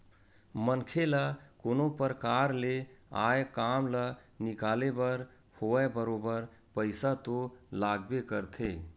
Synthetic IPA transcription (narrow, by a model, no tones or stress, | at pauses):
mənkʰelakoːnopəɾəkaɾleajkamlə | nikalebəɾ | hoɛbəɾobəɾ | pəɪsat̪olaɡbekəɾt̪ʰe